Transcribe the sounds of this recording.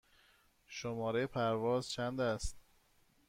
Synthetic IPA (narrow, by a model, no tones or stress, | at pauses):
ʃomɒːɾejepʰæɾvɒːzt͡ʃʰænd̪æst̪